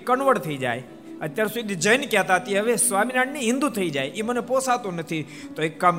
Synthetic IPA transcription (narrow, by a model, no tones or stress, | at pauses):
kəɳʋəɽt̪ʰəid͡ʒa̰j | ət̪jaɾsud̪id͡ʒəjnkjat̪aɦət̪iɦəʋesʋaminaɽniɦɪ̃nd̪ut̪ʰəid͡ʒajʔiməneposat̪õnət̪ʰi | t̪oekːam